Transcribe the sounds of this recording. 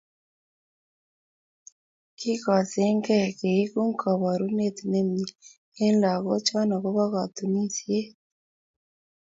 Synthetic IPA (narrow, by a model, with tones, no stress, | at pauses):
ki˦ka˨se˦ŋɡɛ˦˨ke˨i˦ku˦ŋka˨βa˨ɾu˦ne˦t̪i˨ne˦mɲi˨ | e˦nla˨ɣɔ˦t͡ʃa˦na˨ɣo˦βa˦ɣa˨t̪u˨ni˦si˦e˦